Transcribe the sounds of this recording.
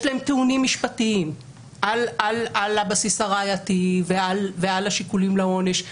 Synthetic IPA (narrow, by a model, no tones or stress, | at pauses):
ʃlaemt̪eunimːiʃpatiim | ʔalalalabasisaʁajativealvealaʃikulimlao̞ne̞ʃ